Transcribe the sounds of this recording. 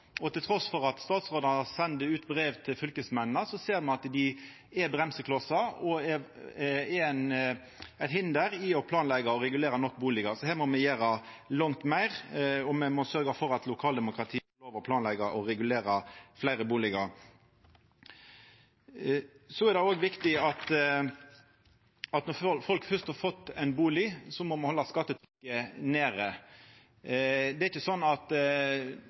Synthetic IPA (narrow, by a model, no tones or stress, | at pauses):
ɔt̪ʰɪlt̪ʰɾɔsfɔɾɑt̪st̪ɑːt̪sʁoːd̪ɑnɑsɛnd̪əʉːt̪bɾeːʋt̪ʰɪlfʏlkəsmɛnnəsɔseːɾmɑnɑt̪d̪ɪ | ɛbʁɛmsəkʰlɑsɑɔɛ | ɛn | æɪt̪hɪnd̪əɾɪɔpʰlɑːnlɛɡɑɔɾɛɡʉleːɾɑnɔkːbuːlɪɡəsɔhæːʁmɔmɛjæːɾɑ | lɑŋt̪mæɪʁɔmɛmɔsœɾɡɑfɔɾɑt̪lʊkʰɑːld̪ɛmʊkɾɑt̪ʰiːɔloːʋəʁɔpʰlɑːnlɛɡɑʔɔɾɛɡʉleːɾɑflæɪɾəbuːlɪɡɑɾ | sɔɛɾd̪ɛoːɡʋɪkt̪ɪɑt̪ | ɑt̪nɔfɔlkfœʁst̪hɑːɾfɔt̪ːɛɪnbuːlɪsɔmɔmɑhɔlːɑskɑt̪ːət̪ʰɾʏkːəneːɾə | d̪ɛɪçːəsɔnːɑt̪